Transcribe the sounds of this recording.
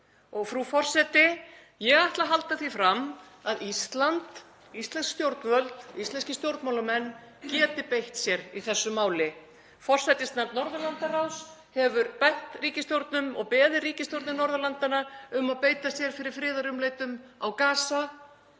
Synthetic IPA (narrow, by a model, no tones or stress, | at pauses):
ɔɣfɾufɔr̥sɛt̪ɪ | jɛɣajht̪laɦalt̪aθifɾam | aðist̪lant̪ | ist̪lɛnskst̪jowɾt̪nvœlt̪ist̪ɛnscɪst̪jowɾt̪mawlamɛnː | cɛːt̪ɪpejht̪sjɛɾiθɛsːʏmaːwlɪ | fɔr̥sajt̪ɪst̪naɾt̪nɔɾðalant̪arawshɛvʏɾpɛht̪riːcɪst̪jowɾt̪nʏmɔ̰ɣpɛːðɪriːcɪst̪jowɾt̪nɪnɔɾðœlant̪anaʏmaðpeːjt̪asjɛɾ̥fɪɾɪɾ̥fɾɪːðarʏmlejt̪ʏmawkaːsa